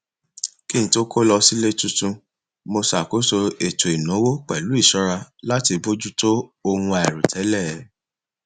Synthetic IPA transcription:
ki˦ñ̩˨˦to˦ko˦lɔ˧si˦le˦tu˧tũ˧ | mo˧sa˨ko˨˦so˧e˨to˨i˨nũ˨˦wo˦k͡pɛ˨lu˨˦i˦˨ʃɔ˨˦ɾa˧la˦ti˧bo˦d͡ʒu˦to˦o˧hũ˧a˨ɛ˨ɾu˨tʰɛ˨˦lɛ˦˨˦

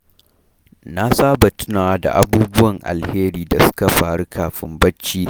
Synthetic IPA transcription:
na˦saː˦bɐ˨tʊ˦naː˨wa˦da̰˨ʔa˦buː˦bʊ˦wɐ˨ŋʔa̰˨lheː˦ɾiː˨da˨sʊ̥˦ka˨ɸaː˨ɽu˦kʰaː˨ɸɪ̰˦mbɐ˦t͡ʃːiː˦

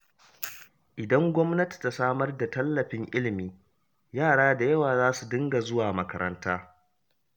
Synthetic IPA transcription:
ʔɪ˨dɐ˦ŋɡʷɔ˦mnɐ˦ti̥˨ta˨saː˦mɐ˦rda˨tɐ˦lːɐ˨ɸɪ˦ŋʔɪ˦lɪ˨miː˦ | jaː˦˨ɽaː˦da˨jɐ˦waː˨zaː˦su˨dɪ˦ŋɡa˨zʊ˦waː˨mɐ˦kɐ˦ɾɐ˦ntaː˦

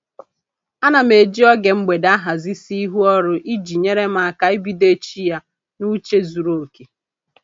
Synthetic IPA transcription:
a˦na˨me˨d͡ʒi˦ɔ˦ɡe˨ŋ͡m̩˦ɡ͡be˨da˦ɦa˨zi˦si˦i˦ɦu˦ɔ˦ɾʊ˨ʔi˦d͡ʒi˨ɲe˦ɾe˦m̩˦a˨ka˦i˦bi˦de˦t͡ʃi˦ja˦ | nu˦t͡ʃe˦zu˨ɾo˨ke˨

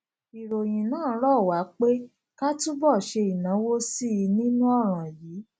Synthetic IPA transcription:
i˨ɾo˨j̃ĩ˨nãː˦˨˦ɾɔ˦˨wa˨˦k͡pe˦ | ka˦tũ˦bɔ˦˨ʃe˧i˨nã˨˦wo˦si˦i˧nĩ˦nũ˦ɔ˦˨ɾ̃ã˨jiː˨˦

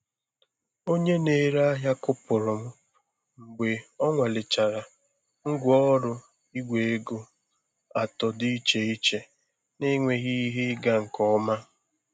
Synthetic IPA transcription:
o˦ɲe˦ne˨ɾa˦ɦa˦kʊ˦pʊ˨ɾʊ˨m̩˦ | ŋ͡m̩˨ɡ͡be˨ɔ˦ŋʷa˨lɪ˨t͡ʃa˨ɾa˨ | ŋ̩˦ɡʷɔ˦ɾʊ˦ | i˦ɡʷe˨e˦ɡo˦ | a˨tɔ˨di˦t͡ʃe˨i˦t͡ʃe˨ | nɪ˦ŋʷe˨ɣi˦ɦi˦ɡa˦ŋ̩˨kɔ˦ma˦

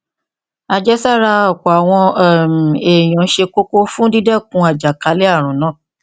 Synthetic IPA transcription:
a˨d͡ʒɛ˦sa˦˨ɾa˧ɔ˦˨kɔ˨a˨w̃ɔ̃˧˦m˨e˨j̃ɔ̃˨˦ʃe˧ko˦ko˦fũ˦di˦dɛ˦˨kũ˨˦a˨d͡ʒa˨ka˨˦lɛ˦a˦˨ɾ̃ũ˨˦nã˨˦˨

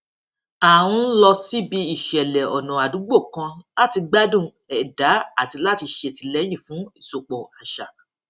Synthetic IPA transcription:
a˨wũ˧˦lɔ˧si˦bi˧i˦˨ʃɛ˨lɛ˨ɔ˨nũ˨a˨du˨˦ɡ͡bo˦˨kã˧la˦ti˧ɡ͡ba˦dũ˦˨ | ɛ˨da˨˦a˦˨ti˧la˦˨ti˧ʃe˦˨ti˧lɛ˦j̃ĩ˦˨fũ˨˦i˦˨so˨k͡pɔ̃˨a˨ʃa˨

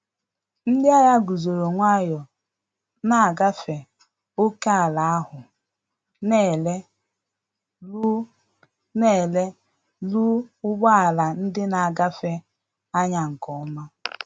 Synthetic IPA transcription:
n̩˦dɪ˦a˦ja˦ɡu˨zo˨ɾo˨ŋʷa˦jɔ˨ | na˨a˨ɡa˦fe˨ | o˦ke˦a˨la˨a˦hʊ˨ | ne˦˨le˦ | ne˦˨le˦ | lu˦ʊ˦ɡ͡ba˦a˨la˨n̩˦dɪ˦na˨a˨ɡa˦fe˦ | a˦ɲa˨ŋ̩˨kɔ˨ɔ˦ma˦

